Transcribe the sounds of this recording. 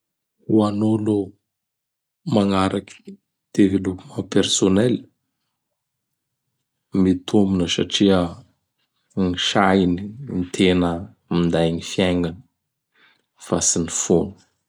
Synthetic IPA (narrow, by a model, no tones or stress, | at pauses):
uanolo | maŋaɾaki̥ | d̪̥evilukumapersonɛl | mit̪ʰominəsa̰ʈ͡ʂiə | ŋiʃajinint̪ʰenə | mind̪ajɲifjajŋɡanə̥ | fasinifonu̥